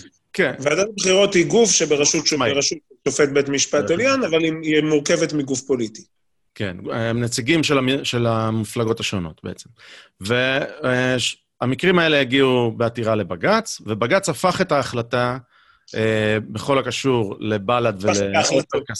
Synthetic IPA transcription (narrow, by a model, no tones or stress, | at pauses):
kenveadatbχiʁo̞t̪hiɡufʃebeʁaʃutʃomaʁaʃut | t͡ʃofet̪̚bet̪miʃpat̪eljanavaliimuʁke̞vet̪miɡufpoliti̥ | ke̞nmnet͡siɡimʃelaʃe̞lamiflaɡo̞taʃo̞no̞̰tbḛet͡semve | amikʁimae̞le̞jaɡiube̞atiʁale̞baɡat͡svebaɡat͡safaχe̞taːχlata | ebe̞χo̞lakaʃuʁle̞baladveleataka